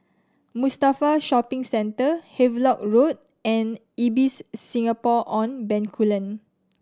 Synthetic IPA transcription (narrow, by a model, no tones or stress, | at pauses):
mustafaʃɔpĩŋsɛ̃ntəhevlɔk̚ɹot̚ | ɛ̃n | ibisːĩŋapɔʔɔ̃nbɛ̃nkʰulə̃n